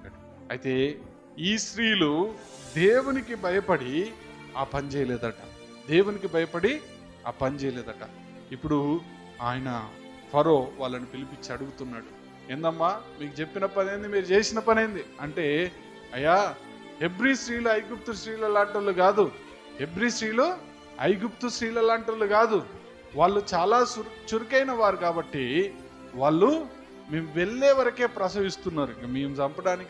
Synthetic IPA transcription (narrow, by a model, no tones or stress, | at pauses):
ɐjt̪e̞ː | iːʃɾiːlu | d̪eːwunikibʱɐjɐpɐɽi | aːpɐnit͡ʃɛːjɐlɛːd̪ɐʈɐ̰ | d̪e̞ːwunikibʱɐjɐpɐɽi | a̰ːpɐnit͡ʃɛjɐleːd̪ɐʈɐ | ipːuɽu | aːjɐnɐ | pʰɐɾo̞ːʋaːɭːɐnipilipit͡ʃːiɐɽuɡut̪unːaːɽu | end̪ɐmːaːmiːkut͡ʃe̞pːinɐpɐne̞ːnd̪imiːɾut͡ʃe̞ːsinɐpɐneːnd̪iɐɳʈe̞ː | ɐjːaː | he̞bɾisɾiːluɐjɡup̚t̪usɾiːlɐlaːɳʈɐɾluɡaːd̪u | he̞bɾiːsɾiːlu | ɐjɡupt̪usɾiːlɐlaːɳʈɐɾluɡaːd̪u | ʋaːɭːut͡ʃaːlaːsut͡ʃuɾikɐjnɐʋaːɾukaːbɐʈːi | ʋaːɭːu | meːmuʋe̞ɭːeːʋɐɾɐke̞ːpɾɐsɐʋist̪unːaːɾuikɐmeːmusɐmpɐɽaːniki